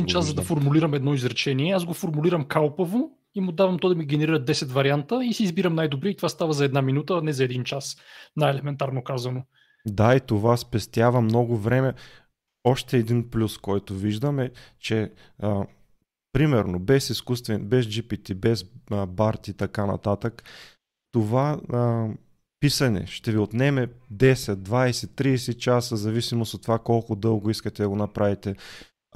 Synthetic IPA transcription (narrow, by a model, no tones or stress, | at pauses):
int͡ʃaszɐd̪ɐfoɾmuliɾɐmɛd̪nɔizɾɛt͡ʃɛniɛazɡofoɾmuliɾəmkalˠpəvo | imʊd̪avɐmt̪ɔd̪ɐmiɡʲɛnɛɾiɾəd̪ɛsɛt̪vɐɾiant̪əisiːzbiɾɐmnajd̪obɾit̪ovast̪avəzɐɛd̪naminut̪əːnɛzɐɛd̪int͡ʃasnajɛlɛmɛnt̪aɾnokazɐno | d̪ait̪ovaspɛst̪javɐmnɔɡʊvɾɛmɛ | ɔʃt̪ɛːd̪inplʲuskɔjt̪oviʒd̪əmɛt͡ʃɛ | pɾimɛɾnobɛsiskust̪vɛnbɛzd͡ʒipit̪ibɛzbaɾt̪it̪ɐkanɐ̰t̪at̪ək | t̪ova | pisɐnɛ̰ʃt̪ɛviot̪nɛmɛd̪ɛsɛt̪̚d̪vajsɛt̪ːɾiːsɛt͡ʃasəzɐvisimosot̪ːovakɔlˠkʊd̪ɤlˠɡoiskət̪ɛd̪ɐɡonɐpɾavit̪ɛ